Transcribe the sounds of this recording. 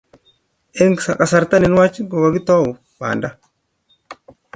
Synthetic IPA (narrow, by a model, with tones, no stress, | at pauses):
e˦ŋsa˨ka˨sa˨ɾt̪a˦ni˨n˦wa˦t͡ʃɡo˨ɡa˨ɡi˦t̪ɔ˦˨wu˨ | ba̰ː˨nda˦